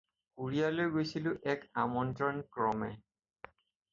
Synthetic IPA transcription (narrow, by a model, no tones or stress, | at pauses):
kuɹijalojɡojsilʊʔɛkamɔntɹɔnkɹɔmɛ